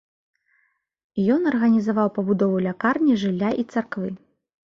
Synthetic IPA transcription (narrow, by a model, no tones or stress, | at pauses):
jɔnɐrɣɐnʲizavawpɐbud̪ɔvulʲakarnʲiʐɨlʲːaʔit̪sarkvɨ